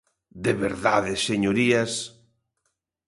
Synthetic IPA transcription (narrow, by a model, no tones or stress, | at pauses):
d̪eβeɾða̰ðɪseɲoɾiɐs